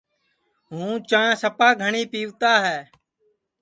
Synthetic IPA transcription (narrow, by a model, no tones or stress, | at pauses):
ɦũːt͡ʃãːsəpaːɡʱəɳiːpiːʋt̪aːɦɛː